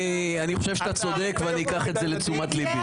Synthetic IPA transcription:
aniχoʃevʃat̪at͡so̞d̪e̞kveaniikaχe̞tze̞le̞t͡sumat̪libi

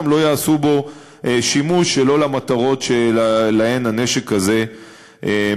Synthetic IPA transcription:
mlo̞jaːsubo̞ | ʔeʃimuʃelo̞lamat̪aʁo̞tʃelae̞nane̞ʃekaze̞ | ʔe

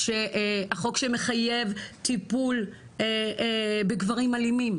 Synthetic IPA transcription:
ʃeʔaχo̞kʃeme̞χaje̞vt̪ipul | ebeɡvaʁimalimim

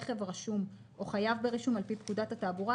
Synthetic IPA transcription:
χevʁaʃum | ʔoχajavbeʁiʃumalpipkudatataːbuʁa

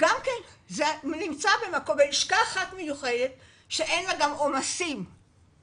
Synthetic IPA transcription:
ɡ̥amkenzenimt͡sabemakobeiʃkaːχat̪mejuχed̪et̪ | ʃeʔenlaɡamo̞masim

